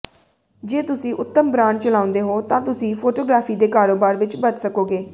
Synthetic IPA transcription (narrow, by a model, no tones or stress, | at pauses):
d͡ʒeːt̪ʊsĩːʔʊt̪ːəmbɾãːɳt͡ʃəlaːʊ̃nd̪eːɦoːt̪ãːt̪ʊsĩːpʰoːʈoːɡɾaːfʰiːd̪eːkaːɾoːbaːɾʋɪt͡ʃbət̪səkoːɡeː